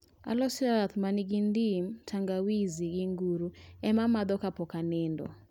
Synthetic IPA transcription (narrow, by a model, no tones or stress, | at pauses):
a̰lɔsaat̪maniɡind̪imtʰaŋɡawiziɡiŋɡuɾuɛmamad̪ɔkapɔkanɪndɔ̰